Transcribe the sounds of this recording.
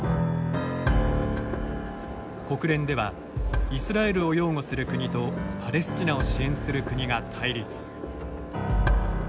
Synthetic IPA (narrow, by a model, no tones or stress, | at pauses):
ko̞kɯ̟ɾẽ̞nd̪e̞βa | isɨɾae̞ɾɯ̟o̞jo̞ːŋo̞sɨɾɯ̟kɯ̟ɲ̟it̪o̞pʰaɾe̞sɨ̥t͡ɕinao̞ɕiẽ̞ɰ̃sɨɾɯ̟kɯɲ̟iɡat̪ʰaiɾʲit͡sɨ̥